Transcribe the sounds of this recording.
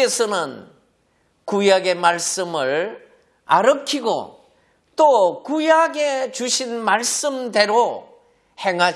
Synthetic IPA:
esʰʌnɯn | kujaɡe̞maɭs͈ɯmɯɭ | aɾʌkʰiɡo̰ | t͈okujaɡe̞t͡ɕuɕʰinmaɭs͈ɯmde̞ɾo | he̞ŋɦa

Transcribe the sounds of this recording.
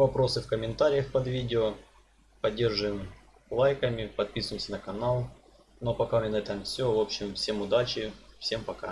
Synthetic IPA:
vɐpɾo̞sɨfkəmʲɪnt̪aɾʲɪjəxpɐd̪vʲidʲɪo | pɐdʲːe̞rʐɨɪm | lˠajkɐmʲɪpɐt̪̚pʲisʊjɪmsʲɐnɐkɐnalˠ | no̞pɐkamʲenɐɛt̪ɐmfsʲovo̞pɕːɪmfsʲe̞mʊd̪at͡ɕɪfsʲe̞mpɐka̰

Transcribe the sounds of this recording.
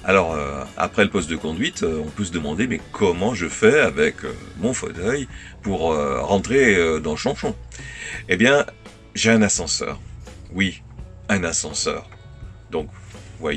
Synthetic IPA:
a̰lɔʁø̰a̰pχɛləpɔst̪̚d̪əkɔ̃d̪ɥit̪ʰøɔ̃pøsəd̪əmɑ̃d̪emɛkʰɔmɑ̃ʒəfɛavɛkʰø̰mɔ̃fɔ̰t̪œj | puʁøʁɑ̃t̪χeød̪ɑ̃ləʃɑ̃ʃɔ̃ | ebjɛ̃ | ʒeɛ̃nasɑ̃sœ̰ːʁwi | ɛ̃nasɑ̃sœ̰ːʁ | d̪ɔ̃kvwa̰j

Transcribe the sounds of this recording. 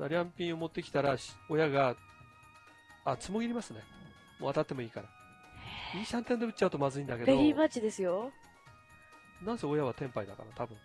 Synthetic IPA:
d̪aɾʲãmpʲĩɰ̃o̞mo̞t̪ːe̞kʲi̥t̪aɾaɕo̞jaɡa | at͡sɨmo̞ɡʲiɾʲimasɨne̞ | moːat̪at̪ːe̞mo̞iːkaɾa | iːɕãnt̪ẽnd̪e̞ɯt͡ɕːaɯ̟t̪o̞mazɨĩnd̪akeeɾʲimat͡ɕid̪e̞sɨjo | nãɰ̃se̞o̞jaβ̞at̪ẽ̞mpaid̪aka̰nat̪abɯ̟̃

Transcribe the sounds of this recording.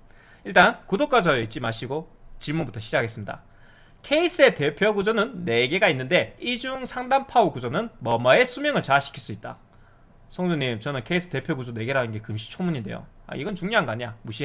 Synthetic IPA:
iɭt͈ankudok͈ad͡ʑʌeit͡ɕ͈imaɕʰiɡot͡ɕiɭmunbutʰʌɕʰid͡ʑakʰaɡes͈ɯmɲida̰ | kʰe̞is͈ʰɯe̞te̞pʰjoɡud͡ʑonɯnːe̞ɡe̞ɡainːɯnde̞id͡ʑuŋsʰaŋdampʰaukud͡ʑonɯnmʌmae̞sʰumjʌŋɯɭt͡ɕaːɕʰi̥kʰiɭs͈uit̚t͈a̰ | sʰʌŋduŋɲimt͡ɕʌnɯnkʰe̞is͈ʰɯ̥te̞pʰjoɡud͡ʑone̞ɡe̞ɾanɯnɡe̞kɯmɕʰi̥t͡ɕʰomuɲinde̞̰jo̰a̰iɡʌnt͡ɕuŋɲjoɦanɡʌaɲia̰muɕʰi

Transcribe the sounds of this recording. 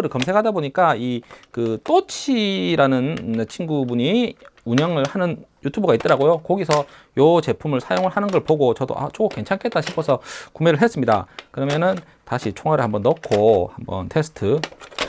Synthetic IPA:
ɾɯɭkʌmsʰe̞kʰadaboɲik͈aikɯt͈ot͡ɕʰiɾanɯnet͡ɕʰinɡubuɲiuɲʌŋɯɭhanɯn | jutʰubɯɡait͈̚ʌɾaɡojokʌɡisʰʌjot͡ɕe̞pʰumɯɭsʰajoŋɯɭhanɯnɡʌɭpoɡot͡ɕʌdo̰ʔa̰t͡ɕ͈ʰokʰoke̞nt͡ɕʰankʰet̚t͈aɕʰipʰosʰʌkumeɾɯɭɦe̞s͈ɯmɲida̰kɯɾʌmjʌnɯn | taɕʰit͡ɕʰoŋɦwaɾɯɭhambʌnːʌk̚kʰohambʌ̰ntʰe̞sʰɯ̥tʰɯ

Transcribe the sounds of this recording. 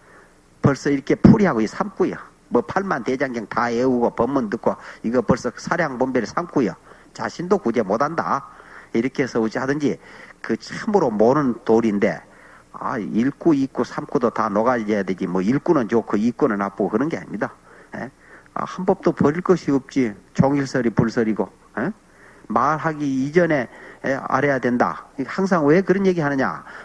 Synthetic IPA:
pʌɭs͈ʌiɾʌkʰe̞pʰuɾiɦaɡoisʰamk͈ujo | mʌpʰaɭmanted͡ʑaŋɡjaŋt̪aeuɡopʌmːɯndɯk͈oiɡʌpʌɭs͈ʌsʰaɾjaŋpombeɾɯɭsʰamk͈ujo | t͡ɕa̰ɕʰindokud͡ʑemodanda̰iɾʌkʰesʰʌud͡ʑiɦadɯnd͡ʑikɯt͡ɕʰamɯɾomonɯntoɾinde̞̰ | a̰iɭk͈uik͈usʰamk͈udotanoɡad͡ʑejadwe̞d͡ʑimwʌiɭk͈unɯnt͡ɕokɯik͈unɯɭnap͈oɡokɯɾʌnɡe̞a̰ɲɲida | jḛ | a̰hanbʌp̚t͈opʌɾiɭk͈ʌɕʰiʌp̚t͡ɕ͈it͡ɕoŋiɭsʰʌɾipuɭsʰʌɾiɡo | e | maɾɦaɡiːd͡ʑʌne̞a̰ɾejadwe̞nda̰haŋs̬ʰaŋwe̞kɯɾʌnje̞ɡiɦanɯɲa̰

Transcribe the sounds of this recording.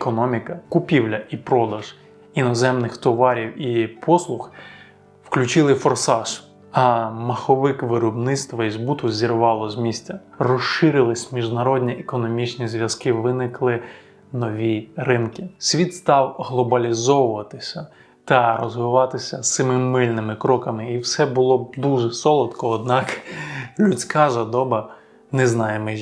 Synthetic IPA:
kɔnɔmʲikɐkʊpʲiwlʲɐʔipɾɔd̪ɐʒ̥ | inɔzɛmnɪxt̪ɔʋɑɾʲiwipʰɔslˠʊx | wklʲʊt͡ʃɪlˠɪfɔrsɑʃ | ɐmɐxɔʋɪkʋɪɾɔbnɪt̪st̪ʋɐizbut̪ʊzʲiɾʋɑlˠɔzʲmʲisʲtʲɐrɔʃɪɾɪlˠɪsʲmʲiʒnɐɾɔdʲnʲiʔekɔnɔmʲit͡ʃnʲizʋʲjɐskɪʋɪnɪklˠɪ | nɔʋʲirɪnkʲisʲʋʲit̪st̪ɑwɦlˠɔbɐlʲizɔʋʊʋɐt̪ɪsʲɐ | t̪ɐɾɔzʋɪʋɑt̪ɪsʲɐsɪmɪmɪlʲnɪmɪkɾɔkɐmɪiwsɛbʊlˠɔd̪uʒɛsɔlˠɐt̪kɔːd̪nɑklʲusʲkɑʒɐd̪ɔbɐ | nɛznɑjemɪ

